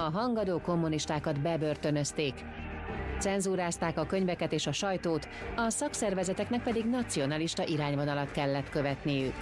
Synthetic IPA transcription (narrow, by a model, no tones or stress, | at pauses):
ɒɦɒŋɡɒd̪oːko̞mːuniʃt̪aːkɒd̪bɛbø̞rt̪ø̞nø̞st̪eːk | t̪sɛnzuːɾaːst̪aːkɒkø̞ɲvɛkɛt̪eːʃɒʃɒjt̪oːt̪ | ɒsɒksɛrvɛzɛt̪ɛknɛk̚pɛd̪iɡnɒt̪sio̞nɒliʃt̪ɒʔiɾaːɲvo̞nɒlɒt̪kɛlːɛt̪kø̞vɛt̪nijyk